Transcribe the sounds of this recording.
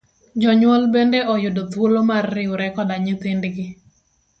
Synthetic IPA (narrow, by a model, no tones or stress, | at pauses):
d͡ʒɔɲwɔlbendeʔɔjʊdot̪wolomarːɪwɾɛkɔdaɲit̪ɪndɡɪ